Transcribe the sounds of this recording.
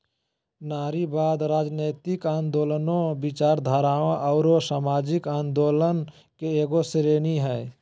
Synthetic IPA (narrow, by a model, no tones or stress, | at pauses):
naːɾibaːd̪ɾaːd͡ʒneːt̪ɪkaːnd̪oːlənõbɪt͡ʃaːɾd̪ʱaːɾaːõʔɔːɾosaːmaːd͡ʒɪkaːnd̪oːlən | keeːɡoseɾeːniɦɛː